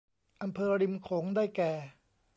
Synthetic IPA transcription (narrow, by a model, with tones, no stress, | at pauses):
ʔa˧mpʰɤː˧ɾi˧mkʰoː˩˦ŋdaː˥˩jkɛː˨˩